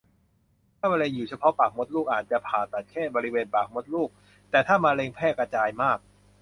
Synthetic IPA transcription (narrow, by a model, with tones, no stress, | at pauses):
t̪ʰaː˥˩ma˧le˧juː˨˩t͡ɕʰa˧pʰɔ˦˥paː˨˩k̚mo˦˥t̪̚luː˥˩kʔaː˨˩t̪̚t͡ɕa˨˩pʰaː˨˩t̪a˨˩t̪̚kʰɛː˥˩t̪̚bɔː˧ɾi˦˥weː˧npaː˨˩k̚mo˦˥t̪̚luː˥˩k̚ | t̪ɛː˨˩t̪ʰaː˥˩maː˧leː˧ŋpʰɛː˥˩ka˧t͡ɕaː˧jmaː˥˩k̚